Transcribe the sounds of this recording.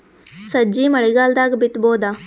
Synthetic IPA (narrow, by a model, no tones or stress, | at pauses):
sɐd͡ʒiːmɐɽiɡaːld̪aːɡbɪt̪boːd̪aː